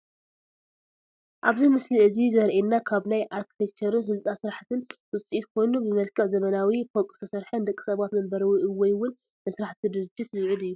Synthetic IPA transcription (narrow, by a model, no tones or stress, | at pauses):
ʔaβzimɨsliʔɨzizɐɾʔenːakʰaβnajʔaɾkʰi̥t̪ʰek̚t͡ʃʰɐɾɨnɦɨlt͡sʼasɨɾaħt̪ʰɨnwɨt͡sʼit̪kʰo̞jnubɨmɐlkʰɨʕzɐmɐnawifʰokʼst̪ʰɐsɐɾħɐnd̪ɐkʼːi̥sɐβat̪nɐmbɐɾɐwuʔɨwɔjwʊn | mɐsɾaħt̪ʰid̪ɨɾɨd͡ʒːɪt̪zɨʕɨd̪ɨjːu